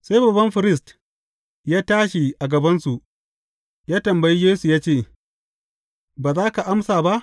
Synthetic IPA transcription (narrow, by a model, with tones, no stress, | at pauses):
sa˦jbɐ˨bɐ˦mɸɪ˨ɾɪ˦˨st | jaː˦taː˦ʃi˨ʔa˨ɡɐ˨bɐ˦nsu˨ | jaː˦tɐ˨mbɐ˨ji˦jeː˦su˨jaː˦t͡ʃeː˦˨ | baː˨zaː˦ka˨ʔa˦msaː˨ba˦ʔ